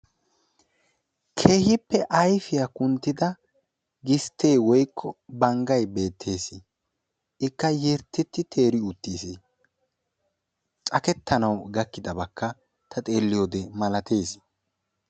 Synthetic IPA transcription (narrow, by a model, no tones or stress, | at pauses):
kʰe̞ːhɪpːɛʔɐjfɪjakʊnt̪ːɪd̪ɐ | ɡɪst̪e̞ːwɔjkʰːɔbɐŋɡɐjbe̞ːt̪ʰːe̞ːsi | ɪkːɐjɛɾt̪ːɪt̪ːɪt̪ʰe̞ːɾɪʊt̪ːiːsi | t͡sʼɐkɛt̪ʰːɐnɐwɡɐkːɪd̪ɐbɐkːɐ | t̪ʰɐt̪ʼe̞ːlːɪjoːd̪ɛmɐlɐt̪eːsɪ̥